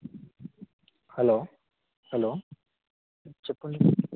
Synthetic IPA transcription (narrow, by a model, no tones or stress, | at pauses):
hɛloː | hɛloː | t͡ʃepːuɳɖi